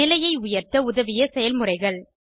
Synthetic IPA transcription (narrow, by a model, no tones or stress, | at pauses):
ɪlɐjɐɪʊjɐɾt̪ɐʊðɐʋɪjɐsɛjɐlmɯrɐɪɣɐɭ